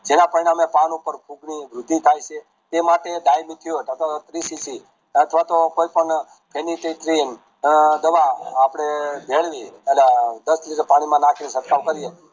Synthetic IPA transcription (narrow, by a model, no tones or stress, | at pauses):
d͡ʒenãpəɾiɽ̃amepanupəɾkʰũɡniʋɾʊd̪ʱːit̪ʰajt͡ʃʰe | t̪emaʈed̪ajmit̪ʰijot̪ət̪ʰʋat̪ɾisisi | ət̪ʰʋat̪okoipəɳ | pʰeniʈeʈ̪ɾin | d̪əʋaapɽ̃ebʱeɭʋiəlad̪əst̪lit̪epaɽ̃imãnakʰnisət̪kaʋkəɾije